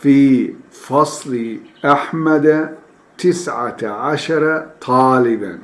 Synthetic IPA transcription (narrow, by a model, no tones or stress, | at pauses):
fiː | fɑsˤliʔaħmad̪a | t̪ɪsʕa̰ʕaʃɑɾˤɑt̪ˤʰɑːlɪba̰n